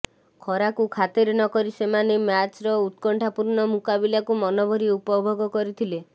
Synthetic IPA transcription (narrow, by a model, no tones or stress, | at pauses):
kʰɔɾakukʰat̪eɾenɔkɔɾisemanemjat͡ʃɾɔut̪̚kɔɳʈʰapuɾnɔmukabilakumɔnɔbʱɔɾiupɔbʱɔɡɔkɔɾit̪ʰile